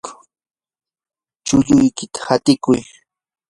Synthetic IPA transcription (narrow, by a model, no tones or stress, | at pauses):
t͡ʃʊʎʊjkɪt̪ḁhat̪ɪkʊj